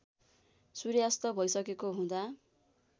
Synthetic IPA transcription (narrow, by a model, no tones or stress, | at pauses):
suɾjast̪ʌbʱʌjsʌkekoɦũd̪a